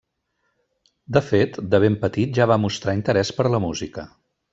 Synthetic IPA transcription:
d̪əfet̪d̪əβ̞empət̪it̪̚ʒaβamust̪ɾaint̪əɾɛspəɾləmuzikə

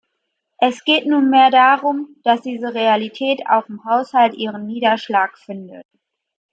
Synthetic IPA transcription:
ʔɛsɡ̥eːtnuːnmeːɐdaʁʊmd̥asd̥iːzəʁealitʰɛːtʰa̰ʊxɪmhaʊshaltʔiːʁ̞ənːiːdɐʃlaːkfɪndət

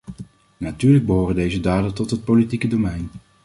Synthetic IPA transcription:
natyːɹləɡ̚bəɦoːrəndejzədaːdəntɔtɦət̚powlitikədowmɛjn

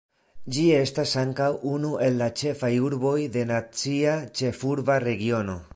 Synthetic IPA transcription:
d͡ʒie̞stasaŋkawunuʔe̞lːat͡ʃe̞fajuɾbo̞jde̞nat͡siat͡ʃe̞fuɾvaɾe̞ɡio̞no̞

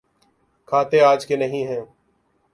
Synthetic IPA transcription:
kʰaːt̪eaːd͡ʒkenəɦĩːɦɛ̃ː

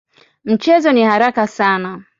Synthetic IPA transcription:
m̩t͡ʃɛzɔnihaɾakasana

